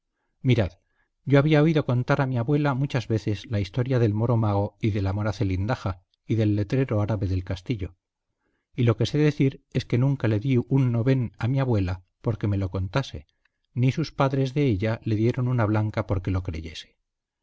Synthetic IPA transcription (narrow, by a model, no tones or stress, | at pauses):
miɾað | ɟ͡ʝo̞aβiao̞iðo̞ko̞nt̪aɾamiaβwe̞lamut͡ʃazβe̞θe̞zlaist̪o̞ɾjaðe̞lmo̞ɾo̞maɣ̞oiðe̞lamo̞ɾaθe̞lind̪axa | iðe̞lːe̞t̪ɾe̞ɾo̞aɾaβe̞ðe̞lkast̪iʎo̞ | ilo̞ke̞se̞ðe̞θiɾe̞ske̞nũŋkale̞ðiunːo̞βe̞namiaβwe̞la | po̞ɾke̞me̞lo̞ko̞nt̪ase̞̰ | nisuspaðɾezðe̞eʎale̞ðje̞ɾo̞nunaβlaŋkapo̞ɾke̞lo̞kɾe̞̰ʝe̞se̥